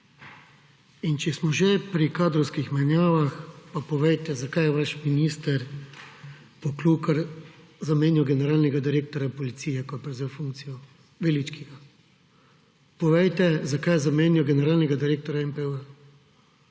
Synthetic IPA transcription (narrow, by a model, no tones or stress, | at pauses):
int͡ʃɛsmɔʒepɾikaːd̪ɾɔwskixmanjaːʋaxpapɔʋɛjt̪ɛzakajɛʋaʃminiːst̪ɛɾ | pɔklukaɾ | zameːniwɡɛnɛɾaːlnɛɡad̪iɾeːk̚t̪ɔɾʲjapɔlit̪siːjɛkɔpɾɛzewfuŋkt̪sijɔ | ʋelit͡ʃkiɡa | pɔʋɛjt̪ɛzakajzameːnjɔɡɛnɛɾaːlnɛɡad̪iɾeːk̚t̪ɔɾjaɛmpɛə